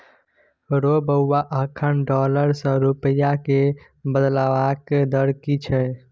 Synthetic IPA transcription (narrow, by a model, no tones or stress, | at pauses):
ɾobəwːaʔəkʰənɖɔləɾsə̃ɾupəjake | bəd̪laʋakd̪əɾkit͡ʃʰɛ